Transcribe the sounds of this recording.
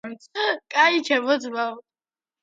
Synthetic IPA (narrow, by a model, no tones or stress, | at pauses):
mkʼait͡ʃʰɛmɔzmaw